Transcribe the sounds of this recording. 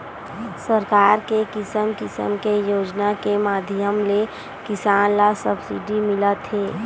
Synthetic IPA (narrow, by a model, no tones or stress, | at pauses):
səɾkaːɾkekɪsəmkɪsə̰mkejoːd͡ʒnakemaːd̪ʱjəmle | kɪsaːnlasəbsḭɖimɪlat̪ʰɦeː